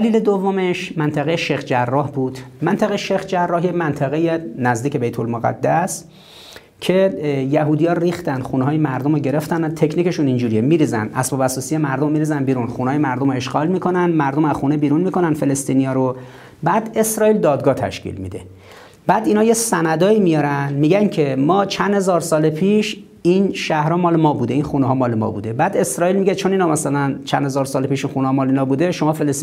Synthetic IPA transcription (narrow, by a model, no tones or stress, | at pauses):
æliːled̪ovːomeʃmænt̪ʰæɣejeʃexd͡ʒærːɒːhbuːd̪̥mænt̪ʰæɣejʃexd͡ʒærːɒːhjemænt̪ʰæɣejenæzd̪iːcʰe̞be̞jt̪ʰolmoɣæ̰d̪ːæs | cʰe̞jæɦuːd̪ijɒːɾɾiːxt̪ænd̪xuːneɦɒːjemæɾd̪omoɟe̞ɾe̞ft̪ænt̪ʰecʰniːce̞ʃunind͡ʒuːɾijemiːɾiːzæ̰nd̪ʔæ̰sbɒːbæsɒːsijemæɾd̪omːiːɾiːzænd̪biːɾunxunːjemæɾd̪o̞moe̞ʃɡɒːlmiːkʰo̞nænd̪mæɾd̪omæzxunebiːɾunmiːkʰo̞nænfe̞le̞st̪iːnijɒːɾo | bæːd̪e̞sɾɒːild̪ɒːd̪̚ɡɒːt̪ʰæ̰ʃcḭlmḭd̪e̞ | b̥æːd̪inɒːjesænæd̪ɒːiːmijɒɾænmiːɟæncʰe̞mɒːt͡ʃʰænd̪he̞zɒːɾsɒːlepʰiːʃ | inʃæhɾɒmɒːlemɒːbuːd̪e̞inxuneɦɒːmɒːlemɒ̰bṵd̪e̞bæːd̪e̞sɾɒːilmiɟet͡ʃʰoninɒmæsælænt͡ʃʰæ̰nhe̞zɒːɾsɒːlepiːʃinxunehɒmɒːleiːnɒːbuːd̪eʃomɒːfeles